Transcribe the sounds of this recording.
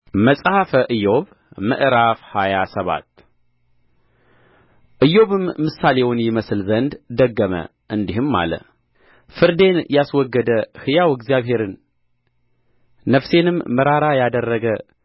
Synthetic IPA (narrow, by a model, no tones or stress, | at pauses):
məsʼhafəʔɨjːo̞β | mɨ̰ʔɾafhajasəβa̰t̪ | ʔɨjo̞βɨmːɨsːalewnjɪməsɨlzənd̪d̪əɡːəmə̰ | ʔɨnd̪ihɨmːa̰lə̰ | fɨɾd̪e̞njaswɔɡːəd̪əhɨjawɨɡzijaβɦe̞ɾɨn | əfse̞nɨmːɨɾaɾajad̪ərːəɡə